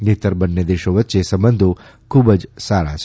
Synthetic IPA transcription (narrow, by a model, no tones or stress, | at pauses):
net̪əɾbənːed̪eʃoʋətːʃesəmbənd̪ʱo | kʰuːbəd͡ʒsaɾa̰t͡ʃʰ